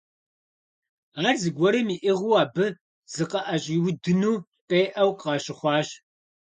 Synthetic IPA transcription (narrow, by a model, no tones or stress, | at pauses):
aːrzɨɡʷɔɾimiːʔɪʁʷuːaːbɨ | z̥ɨqɐʔɐɕʼiːwʊdɨnuː | qʼeːʔɐwqɑːɕɪχʷɑːɕ